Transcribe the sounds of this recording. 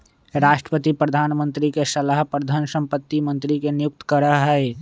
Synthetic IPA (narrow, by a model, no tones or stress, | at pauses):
ɾaːʃʈɾəpət̪ipɾəd̪ʱaːnmə̃nt̪ɾikesəlaɦpɾəd̪ʱansə̃mpət̪ːimə̃nt̪ɾikenjʊk̚t̪ə̥kəɾəɦɦɛe